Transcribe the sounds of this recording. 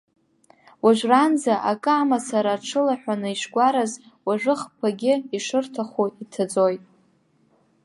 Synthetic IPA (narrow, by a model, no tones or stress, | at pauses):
waʒʷranzaʔakʼɨamasaɾaʈ͡ʂʰɨlaħʷᶣanɨiʃɡʷaɾaz | waʐɨχpʰaɡʲɪiʂɨrtʰaχuitʰad͡zo̞jtʼ